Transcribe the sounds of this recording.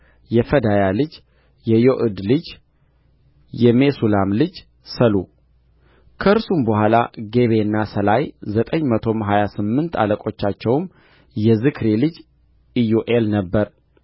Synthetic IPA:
jɛfəd̪ajalɨd͡ʒ | jɛjoʔɨd̪lɨd͡ʒ | jɛmesulamlɨd͡ʒ | səlu | kʰəɨɾsumbəɦʷala̰ɡe̞βe̞ɨnːasəlajzət̪ʼəɲːmət̪ʰo̞mɦajasɨmːɨnt̪ʰa̰ləkʼo̞t͡ʃːat͡ʃːɛwm | jɛzɨkʰɾilɨd͡ʒ | ijuʔelnəbːəɾ

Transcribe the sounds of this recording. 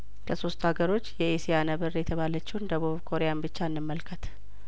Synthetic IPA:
kʰəso̞st̪haɡəɾo̞t͡ʃːjɛesijanəβɨrjɛt̪ʰəβalət͡ʃːɪwnd̪əβuβkʰo̞ɾejanbɨt͡ʃːaɨnːɨmːəlkʰət̪

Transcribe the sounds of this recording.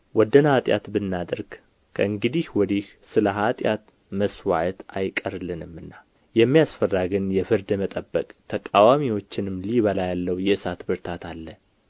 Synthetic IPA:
wɔd̪ənhat̪ʼja̰t̪bɨnːad̪əɾɡ | kʰəɨŋɡɨd̪ihwɔd̪ih | sɨləɦat̪ʼjat̪ | məswa̰ʕt̪ajkʼəɾlɨnɨmːɨnːa | jɛmːijasfərːaɡɨnjɛfɨɾd̪mət̪ʼəbːəkʼt̪ʰəkʼawamiwo̞t͡ʃːɪnɨmliβəlajalːəwjɛɨsat̪bɨɾt̪ʰat̪ʰalːə

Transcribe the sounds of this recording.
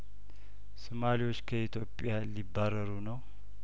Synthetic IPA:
sɨmaliwo̞t͡ʃːkʰəit̪ʰjo̞pʼːɪjalibːaɾəɾunəw

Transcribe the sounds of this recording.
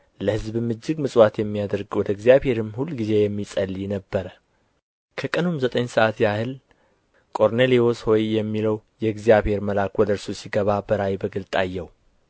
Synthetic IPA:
ləhɨzbɨmɨd͡ʒːɪɡmɨsʼwat̪jɛmːijad̪əɾɡwɔd̪əɨɡzijaβhe̞ɾɨmhulːɡize̞jɛmːisʼəlːiɛnəbːəɾə | kʰəkʼənumzət̪ʼəɲsəʔat̪jahɨl | kʼo̞ɾnelio̞sho̞jjɛmːiləwjɛɨɡzijaβhe̞ɾməlakwɔd̪əɾsosiɡəβabəɾawibəɡɨlt̪ʼajːɛw

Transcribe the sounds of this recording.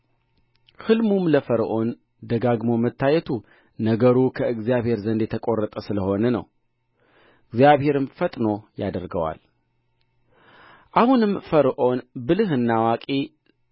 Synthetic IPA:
hɨlmumləfəɾʔo̞n | d̪əɡaɡmo̞mət̪ʰːajɛt̪ʰu | nəɡəɾukʰəɨɡzijaβhe̞ɾzənd̪jet̪ʰəkʼo̞rːət̪ʼəsɨləho̞nənə̰w | ɨɡzijaβhe̞ɾɨmfət̪ʼno̞jad̪əɾɡəwa̰l | ʔahunɨmfəɾʔo̞nbɨlɨhɨnːawakʼi

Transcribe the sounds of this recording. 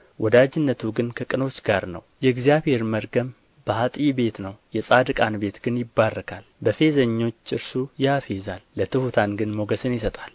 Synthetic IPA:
wʔɔd̪ad͡ʒɪnːət̪ʰuɡɨnkʰəkʼɨno̞t͡ʃːɡaɾnə̰wjɛɨɡzjaβhe̞ɾməɾɡəm | b̥əhat̪ʼibe̞t̪nəwjɛsʼad̪ɨkʼanbe̞t̪ɡɨnjɪbːarːəkʰalbəfe̞zəɲːo̞t͡ʃːɨɾsujafe̞zalːət̪ʰɨhut̪ʰanɡɨnmo̞ɡəsɨnjɪsət̪ʼal

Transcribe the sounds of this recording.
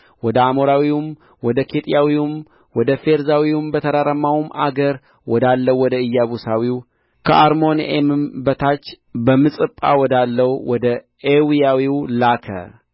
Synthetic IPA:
wɔd̪əamoɾawiwum | wɔd̪əkʰet̪ʼjawiwum | wɔd̪əfeɾzawiwumbət̪ʰəɾaɾəmːawuma̰ɡəɾ | wɔd̪alːəwwɔd̪əɨjːaβusawiw | kʰəʔaɾmo̞nḛmɨmbət̪ʰat͡ʃː | bəmːɨsʼɨpʼːa̰wɔd̪alːəwwɔd̪ə | ewijawiwlakʰə̰

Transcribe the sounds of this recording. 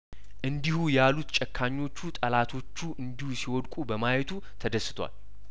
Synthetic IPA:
ʔɨnd̪ihujalut̪t͡ʃʼɛkʰːaɲːo̞t͡ʃːut̪ʼəlat̪ʰo̞t͡ʃːuʔɨnd̪ihusiwɔd̪kʼubəmajɛt̪ʰu | t̪ʰəd̪əsːɨ̥t̪ʰwa̰l

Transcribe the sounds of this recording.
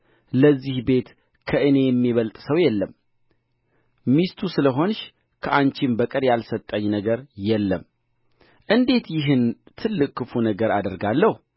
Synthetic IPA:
ləzːihbe̞t̪ | kʰəʔɨne̞jɛmːiβəlt̪ʼsəwjɛlːəm | mist̪ʰusɨləɦo̞nʃ | kʰəʔant͡ʃɪmbəkʼɨɾjalsət̪ʼːəɲːnəɡəɾjɛlːəm | ʔɨnd̪e̞t̪jɪɦɨnt̪ʰɨlːɨkːɨfunəɡəɾad̪əɾɡalːəhu

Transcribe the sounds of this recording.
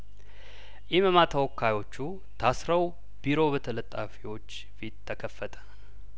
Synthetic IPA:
jɛməmat̪ʰəwɔkʰːajo̞t͡ʃːu | t̪ʰasɾəw | b̥iɾo̞βət̪ʰələt̪ʼːa̰fiwo̞t͡ʃː | fit̪ʰːəkʰəfːət̪ʼʰə̥

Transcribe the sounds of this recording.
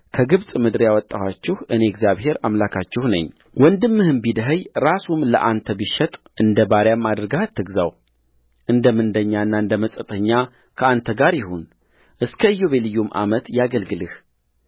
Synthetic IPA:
kʰəɡɨβsʼmɨd̪ɨɾjawɔt̪ʼːawat͡ʃːɪhʔɨne̞ɡzjaβhe̞ɾamlakʰat͡ʃːɪhnə̰ɲː | wɔnd̪ɨmːɨhɨmbid̪əɦəjɾasumlə̰ʔant̪ʰəbiʃɛt̪ʼ | ʔɨnd̪əbaɾjamːad̪ɾɡaht̪ːɨɡza̰w | ʔɨnd̪əmɨnd̪əɲːaɨnːaɨnd̪əməsʼət̪ʼʰəɲːa | kʰəant̪ʰəɡaɾjɪhun | ʔɨskʰəɨjːo̞βe̞lɨjːumʔa̰mət̪jaɡəlɡɨlɨh

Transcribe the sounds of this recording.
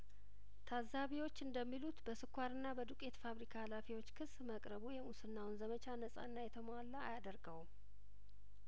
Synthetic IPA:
t̪ʰazaβiwo̞t͡ʃːɨnd̪əmːilut̪bəsɨkʰʷːaɾɨnːabəd̪ukʼe̞t̪faβɾikʰaːlafiwo̞t͡ʃːkʰɨsməkʼɾəβujɛmusɨnːawnzəmət͡ʃʰanəsʼa̰nːajɛt̪ʰəmwalːaːjad̪əɾɡəwm

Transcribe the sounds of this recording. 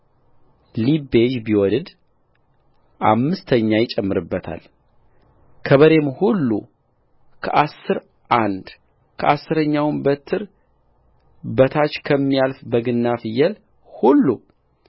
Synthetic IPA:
libeʒbiwɔlɨd̪ | ʔa̰mːɨst̪ʰəɲːajɪt͡ʃʼɛmːɨɾɨbːət̪ʰa̰l | kʰəβəɾe̞mhulːu | kʰə̰ʔasːɨɾ | ʔand̪ | kʰəʔasːɨɾəɲːawmbət̪ʰɨɾ | bət̪ʰat͡ʃkʰəmːijalfbəɡɨnːafɨjɛl | hulːu

